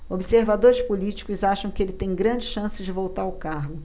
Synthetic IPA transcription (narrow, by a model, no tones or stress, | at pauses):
obɪseɾvad̪oɾɪspolit͡ʃi̥kʊzaʃɐ̃w̃kɪelɪt̪ẽj̃ɡɾɐ̃d͡ʒɪʃɐ̃sɪd͡ʒɪvowt̪aɾaʊkahɡʊ